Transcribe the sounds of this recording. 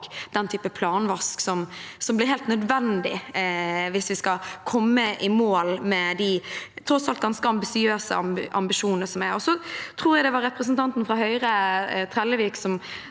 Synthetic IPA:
d̪̥ɛnt̪ʰyːpəpʰlɑːnʋɑsksɔmsɔmblɪɾɦɛːlt̪nœd̪ʋɛnd̪ɪ | ʋɪsʋɪskɑkʰɔmːəʔɪmoːlmɛd̪ɪt̪ʰɾɔsɑlt̪̚ɡɑnskəɑmbɪsɪøːsə̰ɑ̰mʔɑ̰mbɪʂuːnəsɔmæɾɔsɔt̪ʰɾuːɾjæɡd̪ɛʋɑɾɛpɾəsnt̪ʰɑnt̪n̩fɾɑɦœʏɾət̪ʰɾɛlːəʋiksɔm

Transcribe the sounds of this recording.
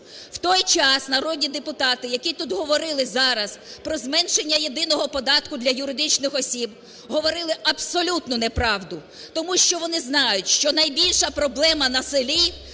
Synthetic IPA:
wt̪ɔjt͡ʃɑsnɐɾɔdʲnʲid̪epʊt̪ɑt̪ɪjɐkʲit̪ud̪ɦɔʋɔɾɪlˠɪzɑɾɐspɾɔzmɛnʃenʲːɐjed̪ɪnɔɦɔpɔd̪ɑt̪kʊd̪lʲɐjʊɾɪd̪ɪt͡ʃnɪxɔsʲib | ɦɔʋɔɾɪlˠɪʔɐbsɔlʲut̪nʊnɛpɾɑwd̪ʊ | t̪ɔmuʃt͡ʃɔʋɔnɪznɑjʊtʲʃt͡ʃɔnɐjbʲilʲʃɐpɾɔblˠɛmɐnɐsɪlʲi

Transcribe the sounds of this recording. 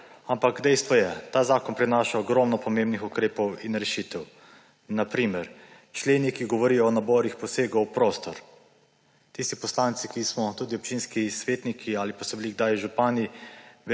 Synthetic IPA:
ampaɡd̪ɛjst̪ʋɔjɛt̪aːzaːkɔnpɾɛnaːʃaɔɡɾɔːmnɔpɔmeːmbnixukɾeːpɔwinɾɛʃit̪ɛw | napɾiːmɛɾ | t͡ʃleːnikiɡɔʋɔɾijɔːnabɔɾixpɔseːɡɔwpɾoːst̪ɔɾ | t̪ist̪ipɔslant̪sikismɔt̪uːd̪iɔp̚t͡ʃiːnskisʋeːt̪nikʰiaːlipasɛbliɡd̪aːjʒupaːniʋ

